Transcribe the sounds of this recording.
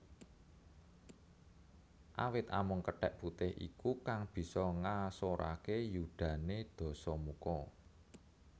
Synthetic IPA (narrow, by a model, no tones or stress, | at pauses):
ʔawɪt̪a̰mʊŋkəɖ̥ɛʔput̪ɪhʔḭkukaŋb̥i̤sɔŋasoɾa̰kejuɖ̪̥ä̤ned̪̥ɔ̤sɔmukɔ